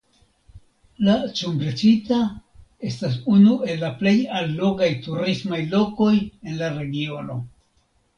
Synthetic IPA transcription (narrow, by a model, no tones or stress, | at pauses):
lat͡ʃumbɾet͡ʃitae̞stas̬unue̞lːaple̞jalːo̞ɡajtuɾismajlo̞ko̞je̞nlaɾe̞ɡio̞no̞̰